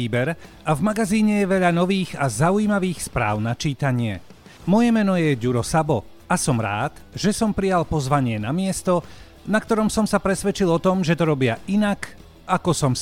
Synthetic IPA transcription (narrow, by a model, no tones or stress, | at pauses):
iːbɛɾ | avmaɡaziːɲɛjɛʋɛʎanɔʋiːɣazaujiːmaʋiːxspɾa̰ːʊnat͡ʃiːt̪aɲɪɛ | mɔjɛmɛnɔjɛɟuɾɔsabɔ | asɔmɾa̰ːt̪ʒɛsɔmpɾijalpɔzʋaɲɪɛnamɪɛst̪ɔ | nakt̪ɔɾɔmsɔmsapɾɛsʋɛt͡ʃilɔt̪ɔmʒɛt̪ɔɾɔbɪainak | akɔsɔm